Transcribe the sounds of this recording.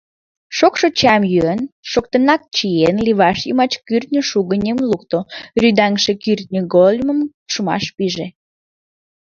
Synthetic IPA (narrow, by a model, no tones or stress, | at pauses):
ʃokʃot͡ɕɑmjyənʃokt̪ənɑk̚t͡ɕienliβɑʃjəmɑt͡ɕkyrt̪̚ʲnʲəʃuɣənʲemluk̚t̪oryd̪æŋʃekyrt̪̚nʲəɡolʲməm | ʃumɑ̰ʃpiʒe